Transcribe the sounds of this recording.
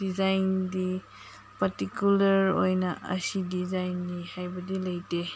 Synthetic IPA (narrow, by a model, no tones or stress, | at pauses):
d̥izajndi | pɐɾtikjulɐɾo̰jnɐʔɐ̰sidizajnːihajbɐdilɐjte